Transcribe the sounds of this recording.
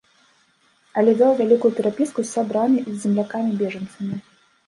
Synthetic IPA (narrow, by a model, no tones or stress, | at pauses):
ɐlʲɛvʲawvʲalʲikujut̪ɛɾapʲiskusʲabɾamʲizʲːɛmlʲakamʲibʲɛʐɐnt̪sɐmʲi